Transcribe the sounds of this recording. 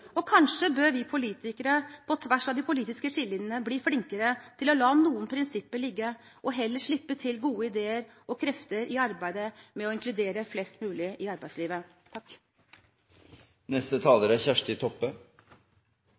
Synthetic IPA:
ɔkʰɑnʂəbøːɾʋɪpʰʊliːt̪ɪkəɾəpʰɔt̪ʰʋæʂɑd̪ɪpʰʊliːt̪ɪskəʂɪlːɪnənəbliːflɪŋkəɾət̪ʰɪlɔlɑːnuːənpʰɾɪnsɪpːəɭɪɡːə | ʔɔɦɛlːəʂɭɪpːət̪ʰɪlɡuːəɪd̪eːəɾʔɔkʰɾɛft̪əɾʔɪɑɾbæɪd̪əmɛɔɪŋkʰlʉd̪eːɾəflɛst̪mʉːlɪʔɪɑɾbæɪsliːʋə | t̪ʰɑkː | nɛst̪ət̪ʰɑːləɾæçæʂʈɪt̪ʰɔpːə

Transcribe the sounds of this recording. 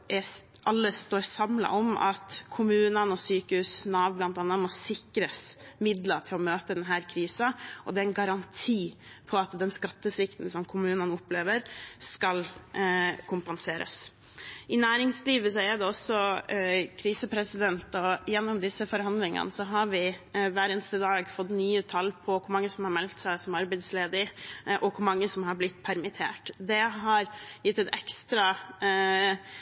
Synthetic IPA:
ʔɛ | ʔɑlːəst̪oːɾsɑmlɑ̰ʔɔmɑ̰t̪kʰʊmʉːnənɔsyːkəhʉːsnɑːʋblɑnt̪ɑːnːɑmɔsɪkɾəsmɪd̪lɑʈ̪ʰɪlɔmøːt̪əd̪ɛnɦæːɾkʰɾiːsɑʔɔd̪ɛænɡɑɾɑnt̪ʰiːpʰɔɑt̪d̪ɛnskɑt̪ːəsɾɪkt̪n̩sɔmkʰʊmʉːnənɔpleːʋəɾskɑl | kʰʊmpɑnseːɾə̰s | ʔɪnæːɾɪŋsliːʋəsɔɛɖ̪ɛɔsːɔ | kʰɾiːsəpʰɾɛsɪd̪ɛnt̪ɔjɛnːɔmd̪ɪsəfɔɾhɑnd̪lɪŋə̰nsɔɦɑɾʋɪʋæːɾənst̪əd̪ɑːɡfɔt̪ːnyːət̪ʰɑlːpʰɔkʰʊɾmɑŋːəsɔmhɑɾmɛlt̪sæɪsɔmɑɾbæɪsleːd̪ɪʔɔkʰʊɾmɑŋːəsɔmhɑɾblɪt̪ːpʰæɾmɪt̪ʰḛːʈd̪ɛɦɑɾjɪt̪ːɛt̪ɛkst̪ɾɑ

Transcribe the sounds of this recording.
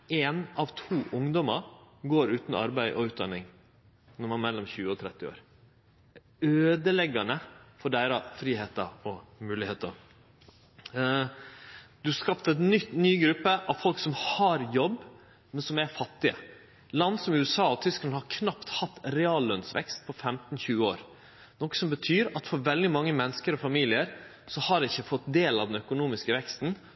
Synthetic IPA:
eːnɑʋt̪ʰuːʔʊŋd̪ɔmə̰ɾɡoːɾʉːt̪nɑ̰ɾbæɪʔɔʉːt̪̚d̪ɑ̰nːɪŋ | nɔɾmɑnmɛlːɔmɕçʉːəɔt̪ʰɾɛt̪ːɪo̰ːɾ | øːd̪əlɛɡɑnəfɔɖæɪɾɑfɾiːheːt̪əɾɔmʉːlɪheːt̪əɾ | d̪̥ʉhɑɾskɑpt̪ɛt̪nʏt̪nyːɡɾʉpːəʔɑʋfɔlksɔmhɑɾjɔb | mɛnsɔmæɾfɑt̪ːɪə̰ | lɑnsɔmʉːɛsɑːɔt̪ʰʏsklɑnhɑɾkʰnɑpt̪hɑt̪ːɾɛɑːlːœnsʋɛ̰kst̪̚pʰɔfɛmt̪nçʉːəoːɾ | nɔkə̥sɔmbət̪ʰyːɾɑt̪fɔɾʋɛld̪ɪmɑŋːəmɛnskəɾɔfɑmiːlɪəɾ | sɔhɑɾɛɪçːəfɔt̪d̪eːlɑ̰d̪ɛnœkʊnuːmɪskəʋɛkst̪n

